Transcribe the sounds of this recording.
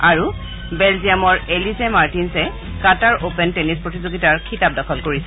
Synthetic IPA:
aɹu | bɛlzijamɔɹelizemaɹtinsɛ | kataɹʔopɛntenispɹotizoɡitaɹkʰitap̚dɔkʰɔlkoɹisɛ

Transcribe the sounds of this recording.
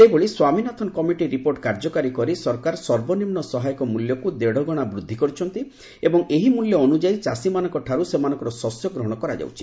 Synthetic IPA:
seboɭiswaminɔt̪ʰɔnɔkɔmiʈiɾipoɾʈkaɾd͡ʒɔkaɾikɔɾisɔɾkaɾsɔɾbɔnimnɔsɔɦajɔkɔmuljɔkud̪eɽɔɡɔɽ̃abɾud̪ʱːikɔɾut͡ʃʰɔnt̪i | ebɔŋeɦimuljɔːnud͡ʒait͡ʃasimanɔ̃ŋkɔʈʰaɾusemanɔ̃ŋkɔɾɔsɔsjɔɡɾɔɦɔɽ̃ɔkɔɾa̰d͡ʒa̰wt͡ʃʰi̥

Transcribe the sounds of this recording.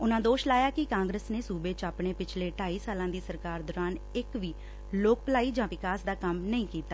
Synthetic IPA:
ʊnãːd̪oːʃlaːjaːkɪkãːŋɡɾəsneːsuːbeːt͡ʃaːpɳeːpɪt͡ʃʰleːʈaːiːsaːlãːd̪iːsəɾkaːɾd̪ɔːɾãːnɪkʋiː | loːk̚plaːiːd͡ʒãːʋɪkaːsd̪aːkəmnəĩːkiːt̪aː

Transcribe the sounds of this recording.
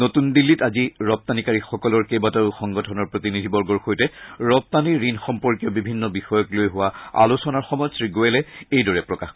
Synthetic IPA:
notundilːitaziɹɔp̚t̪anikaɹixɔkɔlɔɹkejbataʊxɔŋɡɔtʰɔnɔɹpɹot̪inidʱibɔɹɡɔɹxojtɛɹɔp̚t̪aniɹinxɔmpɔɹkijɔbibʱinːɔbixɔjɔklojɦʊwaa̰lusɔnaɹxɔmɔjɔsɹiɡoɛlɛejdɔɹɛpɹɔkax

